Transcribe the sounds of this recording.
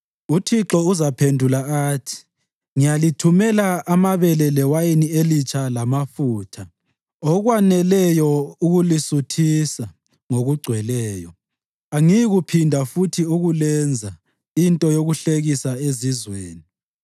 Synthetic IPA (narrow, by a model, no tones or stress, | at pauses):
utʰiǁɔuzapʰendʱulaaːtʰi̥ | ŋijalitʰumɛlaamaβɛlɛlɛwajinielit͡ʃʰʼalamafuːtʰa | ɔɣwanɛlɛjɔuɣulisutʰisa | ŋoɣuɡ͡ǀʱwɛlɛːjɔ | aŋijɣupʰindʱafutʰiuɣulɛnd͡zʱa | intʼɔjoɣuɬeɣisaezizweːni